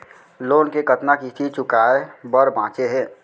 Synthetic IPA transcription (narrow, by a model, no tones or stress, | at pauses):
loːnkekət̪nakit̪ʰit͡ʃʊkaːebəɾbãːt͡ʃeɦɛ̃ː